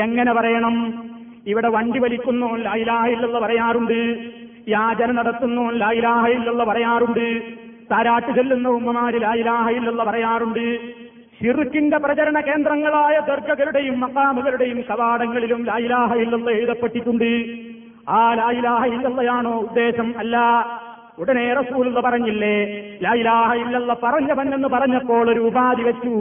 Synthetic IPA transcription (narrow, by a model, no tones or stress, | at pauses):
e̞ŋːɐnepɐrɐjɐɳɐm | iʋiɽe̞ʋɐɳɖiʋɐlikʲːunːoːnlaːjilaːhɐilːɐlˠːɐpɐɾɐjaːruɳɖɨ | jaːd͡ʑɐnɐnɐɽɐt̪ːunːoːnlaːjilaːɦɐilːɐlːɐpɐrɐjaːruɳɖɨ | t̪aːɾaːʈːut͡ɕelːunːɐumːɐmaːɾilaːilaːɦɐilːɐlːɐpɐrɐjaːruɳɖɨ | ɕirukːindeprɐt͡ɕɐɾɐɳɐke̞ːnd̪rɐŋːɐɭaːjɐd̪ɐrɡɐɣɐluɽe̞jumːɐqaːmuɣɐluɽe̞jumkɐʋaːɽɐŋːɐɭilumlaːjilaːɦɐilːɐlːɐejðɐpːe̞ʈːikʲːuɳɖɨ | aːlaːjilaːɦɐilːɐlːɐjaːɳo̞ːud̪ːe̞ːɕɐmɐlːaː | uɽɐne̞ːrɐsuːlulːɐpɐrɐɲːilːelaːjilaːɦɐilːɐlːɐpɐrɐɲːɐʋɐnːe̞nːɨpɐrɐɲːɐpːo̞ːɭoɾuːbaːðiʋɐt͡ɕːu